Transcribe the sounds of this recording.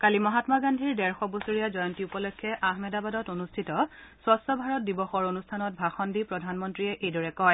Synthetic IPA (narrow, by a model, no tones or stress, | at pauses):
kalimɔɦatmaɡandʱiɹdɛɹxɔbosuɹijazɔjɔntiupɔlɔkʰːɛʔaxmɛdabadɔtonustʰitɔsɔstɔbʱaɹɔt̚dibɔxɔɹonustʰanɔt̚bʱaxɔndipɹɔdʱanmɔntɹiɛʔejdɔɹɛkɔj